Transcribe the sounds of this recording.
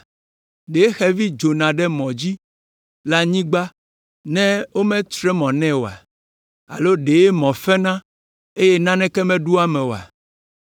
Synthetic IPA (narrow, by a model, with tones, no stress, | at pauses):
ɖe˨e˦xɛ˦vi˦d͡ʒo˨nã˨ɖɛ˦mɔ̃˨d͡ʑi˦ | la˦ɲĩ˦ɡ͡ba˦ | nɛ̃˦wo˦mɛ̃˦t̪ɾɛ˦mɔ̃˨nɛ̃˦wo˨a̰˨ | a̰˨lo˦ɖe˨e˦mɔ̃˨fɛ˦nã˦ | e˦jɛ˦nã˦nɛ̃˦kɛ˦mɛ̃˦ɖu˦a˦mɛ̃˨wo˨a̰˨